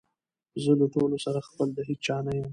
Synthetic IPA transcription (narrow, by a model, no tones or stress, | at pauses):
zəlaʈolosaɾaxpəld̪aɦik̚t͡ʃɑnajəm